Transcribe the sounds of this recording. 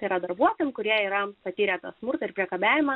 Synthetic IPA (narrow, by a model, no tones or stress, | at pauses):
iɾɐd̪ɐɾbuɔt̪ojɛmkʊɾʲiɛiːɾɐpɐt̪ʲiːɾʲɛːt̪ɐsmʊɾt̪ɐɪɾpʲɾʲiɛkɐbʲæːʋʲɪmɐ